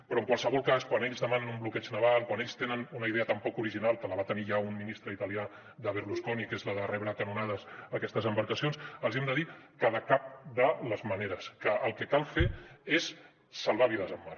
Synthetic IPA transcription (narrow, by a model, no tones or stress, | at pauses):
pɾɔəŋkwalˠsəβɔlˠkaskwaneʎzðəmanənumblukɛt͡ʃnəβalˠkwaneʎst̪enənunəiðeət̪əmpɔkuɾiʒinalˠk̪ələβat̪əniʒaumminist̪ɾəit̪əlia | ðəβəɾluskɔnikezləðərɛβɾəkənunaðəzəkɛst̪əzəmbəɾkəsionsəlˠziɛmd̪əðikaðəkap̚d̪ələzməneɾəskəʔəlˠkəkalˠfeesː | əlˠβaβiðəzəmːar